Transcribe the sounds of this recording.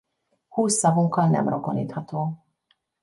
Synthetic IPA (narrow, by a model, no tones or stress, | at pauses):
huːsːɒvuŋkːɒlnɛ̰mrokonḭːt̪hɒt̪oː